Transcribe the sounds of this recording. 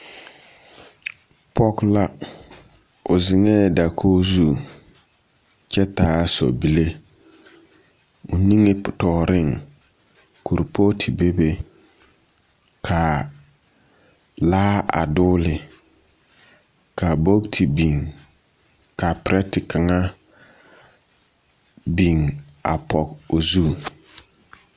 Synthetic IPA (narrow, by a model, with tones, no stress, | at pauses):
pʰɔ˦kla˦ | ʊ˨zɪ˨ŋɛː˦˨da˨kʰoː˦zu˦ | t͡ʃɛ˦taː˨˦sɔ̰˨bi˦le˦ | o˨ni˦ŋe˦˨tɔː˨ɾɪ˦˨ŋ | ku˨ɾpo˦tʰi˨be˦be˦ | kʰa˨ | laː˦a̰˨dʊː˦lɪ˨ | ka˨bo˦ktʰi˨bi˨ŋ | ka˨pɪ˨ɾɛ˦tɪ˨ka˨ŋa˦ | bi˨ŋa̰˨pʰɔ˨ko˨zu˦